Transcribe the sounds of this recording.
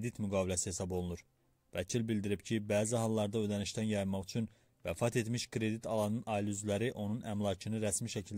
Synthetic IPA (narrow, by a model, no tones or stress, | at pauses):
d̪it̪myɡɑːbilæsihe̞sɑbo̞lˠunuɾ | væcʰilbild̪iɾibcʰibæːziɦɑlˠːɑɾd̪ɑø̞d̪æniʃt̪ænjɑjnmɑʁyt͡ʃʰyn | væfɑt̪e̞t̪miʃkʰɾe̞d̪it̪ʰɑlˠɑnɯnʔɑilyzlæɾiʔo̞nunʔæmlˠɑcʰɯnɯɾæsmiʃæcʰil